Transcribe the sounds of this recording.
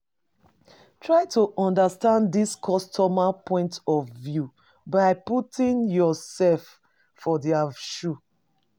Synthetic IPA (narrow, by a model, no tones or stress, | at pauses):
tʰɹaɪtuʔɔ̃ndastãndiskʰɔstʰɔmapʰɔ̃ɪ̃ntɔvvju | baɪputʰĩŋjɔsɛlf | fɔdiaʃu